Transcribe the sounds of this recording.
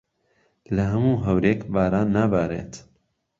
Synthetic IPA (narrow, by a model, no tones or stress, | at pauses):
lɐɦɐmuːɦɐwɾeːkbaːɾaːnːaːbaːɾḛːt̪